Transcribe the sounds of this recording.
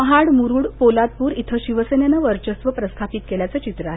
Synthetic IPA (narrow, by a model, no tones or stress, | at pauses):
məɦaɽmuɾuːɽpolat̪̚puːɾit̪ʰəɕiʋəsenenaʋəɾt͡ɕəst̪ʋəpɾəst̪ʰapit̪̚keljat͡sət͡ɕit̪ɾəaɦe